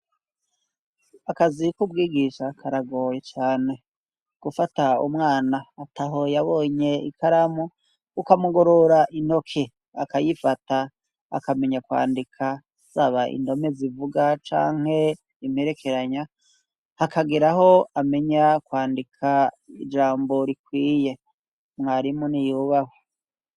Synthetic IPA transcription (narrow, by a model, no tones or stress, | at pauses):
akazikubɡiːɡiʃakʰaɾaɡo̞ːje̞t͡ʃaːne̞ | ɡ̥ufataṵmŋaːnaːtʰaɦo̞jaβoːɲe̞ḭkʰaɾamuː | kamuɡoɾoɾaʔino̞kʰe | akajifata̰ː | kame̞ɲakwa̰ːndikʰa | z̥aβaʔḭndo̞mezivuɡat͡ʃa̰ːŋ̥he̞ | imeɾe̞kʰe̞ɾaɲa | hakaɡiɾaɦo̞ame̞ɲakwaːndikʰa | ḭd͡ʒaːmbo̞ɾikwiːje̞ | mŋaːɾimunijuβaho